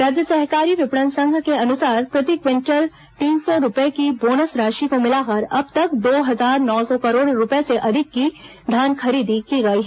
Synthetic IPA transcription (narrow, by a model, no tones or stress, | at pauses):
ɾaːd͡ʒjəsɛɦkaːɾiʋɪpɽ̃ə̃nsə̃ŋɡʱkeɐnʊsaːɾpɾɐt̪ikʋɪ̃ɳʈəɾ | t̪iːnsɔɾʊpekiboːnəsɾaːʃikomɪlaːkɐɾɐb̚t̪ɐkd̪oːɦɐzaːɾnɔːsɔkɐɾoːɽɾʊpeseʔɐd̪ʱɪkːi | d̪ʱjaːnkʰɐɾiːd̪ikiɡɐiɦɛ